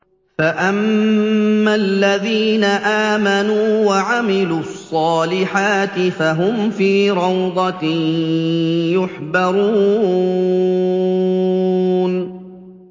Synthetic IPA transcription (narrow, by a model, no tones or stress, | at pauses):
faʔamː | alːaðiːnaʔaːmanuːwaʕamɪluːɑsˤːɑːlɪħaːt̪ɪfaɦʊmfiːɾɑwd̪ˤɑ | jʊħbɑɾˤuː | n